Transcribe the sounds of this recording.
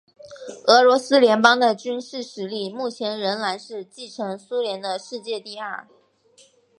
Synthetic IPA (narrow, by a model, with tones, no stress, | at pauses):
ɤ˧˥lwɔ˧˥sɹ̩˥ljɛ˧˥npɑ˥ŋd̪ə˨t͡ɕy˥nʂɻ̩˥˩ʂɻ̩˧˥li˥˩mu˥˩t͡ɕʰjɛ˧˥nɻə˧˥nla˧˥nʂɻ̩˥˧t͡ɕi˥˩ʈ͡ʂʰɤ˧˥ŋsu˥ljɛ˧˥nd̪ə˧ʂɻ̩˥˧t͡ɕjɛ˥˧t̪i˥˧ɐ̰˞˥˩